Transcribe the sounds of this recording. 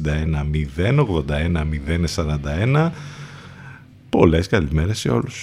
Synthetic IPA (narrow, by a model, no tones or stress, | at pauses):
nd̪ɐenɐmiðe̞no̞ɣðo̞nd̪ɐe̞nɐmiðe̞nesɐɾɐnd̪ɐe̞nɐ | po̞le̞skɐlime̞ɾe̞se̞̰o̞̰lus